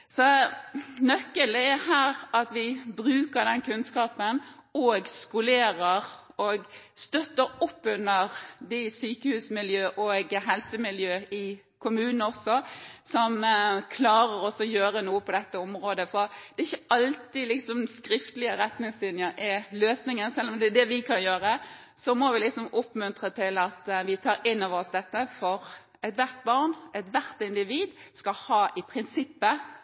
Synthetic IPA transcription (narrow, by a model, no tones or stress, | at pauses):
sɔ | nœkːəld̪ɛɛhæːɾɑt̪ʋɪbɾʉːkəɾd̪ɛnkʉnskɑːpənɔɡskʊleːɾəɾ | ɔɡst̪œt̪ːəɾɔpːʉnəʁd̪ɪsyːkəhʉːsmɪljøːʔɔːɡɦɛlsəmɪljøːɪ | kʰʊmʉːnn̩ɔsɔsɔmkʰlɑːɾəɾɔsːɔjøːɾənuːəpɔd̪ɛt̪ːəɔmɾoːd̪əfɔd̪̥ɛɪçːəɑlt̪ɪlɪksɔmskɾɪft̪lɪəɾɛt̪nɪŋsɪnjəɾʔɛløːsnɪŋənsɛlːɔmd̪ɛd̪ɛʋɪkʰɑnjøːɾə | sɔmɔʋɪlɪksɔmʊpːmʉnt̪ʁət̪ʰɪlɑt̪ʋɪt̪ʰɑːɾɪnːɑʋɔsd̪ɛt̪ːəfɔɾ | ɛt̪ʋæʁt̪̚bɑʁnʔɛt̪ʋæɾt̪ɪnd̪ɪʋiːd̪skɑhɑːʔɪpʰɾɪnsɪpːə